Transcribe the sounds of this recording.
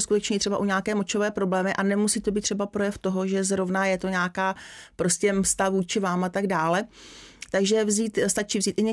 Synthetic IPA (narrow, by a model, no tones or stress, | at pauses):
skut̪ɛt͡ʃɲɛt̪r̥ɛbaʔuɲaːkɛːmo̞t͡ʃovɛːpɾo̞blɛːmɪʔanɛmusiːt̪obiːt̪ːr̥ɛbapɾo̞jɛft̪o̞ɦo̞ʒɛzɾovnajɛt̪o̞ɲaːkaːpɾo̞scʲɛst̪avuːt͡ʃɪvaːmat̪aɡdaːlɛt̪aɡʒɛvziːt̪st̪at͡ʃiːvziːt̪ʔɪɲɛ